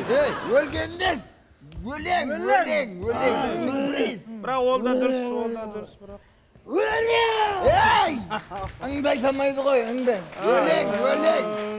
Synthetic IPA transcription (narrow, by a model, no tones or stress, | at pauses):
ejwɵlɡʲe̞nnes | wɵleŋwɵleŋwɵleŋsuɾbɾizbɪɾaqwolˠd̪ɑd̪ʊɾs | ejəɴd̪ɑjt̪ɑmɑjd̪əʁo̞jəɴd̪ɑjwɵleŋwɵleŋ